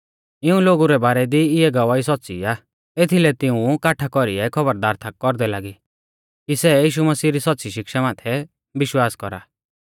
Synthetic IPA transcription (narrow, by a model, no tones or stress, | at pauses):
ɪũloːɡuɾɛbaːɾɛd̪iɪɛɡɐʋaisɔtːsḭaː | et̪ʰilɛt̪ɪũkaːʈʰakɔɾiɛkʰɔbəɾd̪aːɾt̪ʰakːɔɾd̪ɛlaːɡi | kisɛjiːʃumɐsiːɾisɔt̪ːsiʃɪkʃamaːt̪ʰɛ | bɪʃwaːskɔɾa̰ː